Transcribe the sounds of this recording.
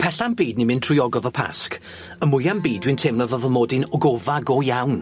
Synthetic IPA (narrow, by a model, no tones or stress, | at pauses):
pʰɛɬambiːdnimɪntʰrʊjɔɡɔvəpʰa̰sk | əmʊjambiːdwɨntʰemlˠəvəvəmɔːdɪnɔɡɔvaɡɔjawn